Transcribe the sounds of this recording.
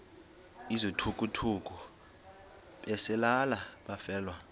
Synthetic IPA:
izɔtʰukʼutʰuk̬ʼu | ɓɛsɛlalaɓafɛːlwa

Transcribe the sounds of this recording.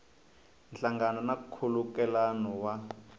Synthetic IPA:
nɬaŋɡanɔnakkʰulukɛlanɔwa

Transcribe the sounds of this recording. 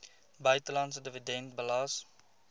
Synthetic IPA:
bəjtəlɑns̬ədəvidɛnt̚bəlɑs

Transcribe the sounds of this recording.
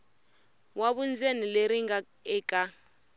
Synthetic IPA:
waβund͡zenileɾiŋɡa | ɛkʼa

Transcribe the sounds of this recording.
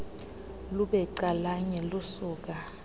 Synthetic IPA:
luɓɛǀalaɲɛlusuːk̬a

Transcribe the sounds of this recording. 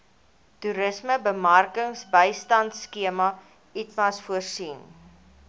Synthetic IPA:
tuɾəsməbəmɐrkəŋsbəjstɐntskiəmɐ | itmɐsfuərsin

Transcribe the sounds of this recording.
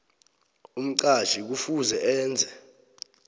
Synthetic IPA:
um̩ǀaʒ̥ik̬ufuzɛʔɛːnd͡zʱɛ

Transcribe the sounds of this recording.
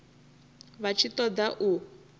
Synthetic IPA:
βat͡ʃʰit̪ɔd̪aʔu

